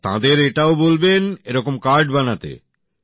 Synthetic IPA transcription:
t̪ã̰d̪eɾeʈaobolbeneɾɔkomkaɾɖbanat̪ḛ

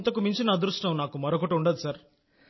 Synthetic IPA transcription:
nt̪ɐkumiɲt͡ʃinɐːd̪ɾuʂʈɐmnaːkumɐɾokɐʈuɳɖɐd̪isɐɾ

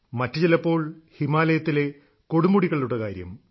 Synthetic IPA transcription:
mɐtːut͡ɕelɐpːo̞ːɭhimaːlɐjɐt̪ːile̞ | ko̞ɽumuɽiɣɐɭiluɽɐkaːɾjɐ̰m

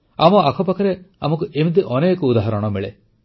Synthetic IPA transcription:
amɔakʰɔpakʰaɾeamɔkuʔemid̪iʔɔneːkɔud̪aɦaɾɔɽ̃ɔmeɭḛ

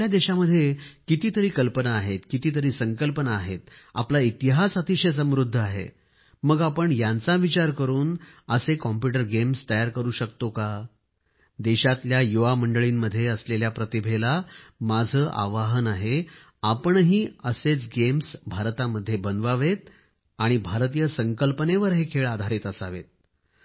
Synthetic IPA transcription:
jad̪eɕaməd̪ʱːjekit̪iːt̪əɾiːkəlpənaːɦet̪kit̪iːt̪̬əɾiːsəŋkəlpənaːɦet̪̚a̰plait̪iɦasat̪iɕəs̬ə̃mɾud̪ʱːaɦḛ | məɡapəɳjãnt͡saʋit͡ɕaɾkəɾuːnəsekɔmpjuʈ̬əɾɡemst̪əjaɾkəɾuːɕəkt̪oka | d̪eɕat̪ljajuʋaməɳɖəɭiːmːəd̪ʱːjeəsleljapɾət̪ibʱelamad͡zʱəːʔa̰ʋaɦənaɦe | apəɳɦiːəset͡sɡemsbʱaɾt̪aməd̪ʱːjebənd̪ʋaʋet̪̚ | aɽ̃ibʱaɾt̪ijəsəŋkəlpəneʋəɾɦekʰeɭad̪ʱaɾiːt̪əsaʋḛt̪̚

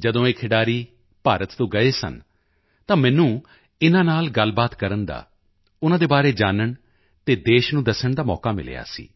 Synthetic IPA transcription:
d͡ʒəd̪õːeːkʰɪɖaːɾiː | paːɾət̪t̪õːɡəeːsə̰n | t̪ãːmɛ̃ːnũː | ɪnãːnaːlɡəlbaːt̪kəɾənd̪a̰ː | ʊnãːd̪eːbaːɾeːd͡ʒaːnəɳ | t̪eːd̪eːʃnũːd̪əsəɳd̪aːmɔːkaːmɪ̰lḛːja̰ːsḭː

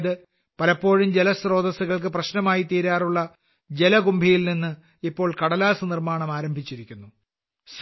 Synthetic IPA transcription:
ðɨ | pɐlɐpːo̞ːɻumd͡ʑelɐsro̞ːd̪ɐsuɣɐɭk̬ɨprɐɕnɐmaːjit̪iːɾaːruɭːɐ | d͡ʑe̞lɐɡumbʱijilninːɨ | ipːo̞ːɭkɐɽɐlaːsɨnirmaːɳɐmaːɾɐmbʱit͡ɕːiɾikʲːunːu | s

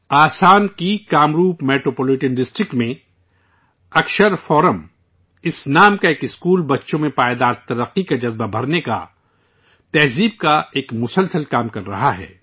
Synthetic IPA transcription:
aːsaːnkikaːmɾuːpmeːʈɾoːpɔːlɪʈənɖɪsʈɾɪk̚ʈmẽ | ɐkʃəɾfɔːɾəm | ɪsnaːmkaeːkɪskuːlbɐtːʃõmẽpaːed̪aːɾt̪ɐɾəqːikad͡ʒɐzbabʱɐɾneka̰ | t̪ɛːɦziːb̚kaeːkmʊsəlsəlkaːmkɐɾːɐ̰ɦaɦɛ̰ː

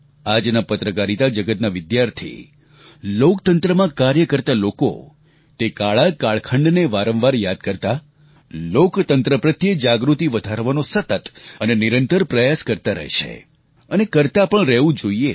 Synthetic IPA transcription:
ad͡ʒnapət̪ɾəkaɾit̪ad͡ʒəɡət̪naʋɪd̪jaɾt̪ʰḭ | lokt̪ənt̪ɾəmãkaɾjəkəɾt̪aloko̰ | t̪ekaɭakaɭkʰəɳɖneʋaɾə̃mʋaɾjad̪̚kəɾt̪a | lokt̪ənt̪ɾəpɾət̪jəd͡ʒaɡɾut̪iʋəd̪ʱaɾʋanosət̪ət̪əneniɾənt̪əɾpɾəjaskəɾt̪aɾə̰ɦʃʰḛ | ənekəɾt̪apəɳɾəʋũd͡ʒoie

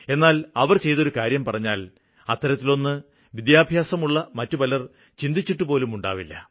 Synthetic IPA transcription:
e̞nːaːlɐʋɐrt͡ɕe̞jt̪o̞ɾukaːɾjɐmpɐrɐɲːaːl | ɐt̪ːɐɾɐt̪ːilo̞nːɨ | ʋid̪jaːbʱjaːsɐmuɭːɐmɐtːupɐlɐr | t͡ɕind̪it͡ɕːiʈːupo̞ːlumuɳɖa̰ːʋilːɐ̰

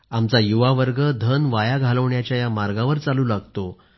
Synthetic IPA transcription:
amt͡sajuʋaʋəɾɡəd̪ʱənʋajaɡʱaləʋɳjat͡ɕjajamaɾɡaʋəɾt͡saluːlaɡt̪o

